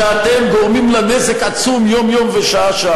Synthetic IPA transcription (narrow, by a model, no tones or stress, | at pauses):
at̪emɡoʁmimlanezekat͡sumjo̞mjo̞mveʃaʔaʃa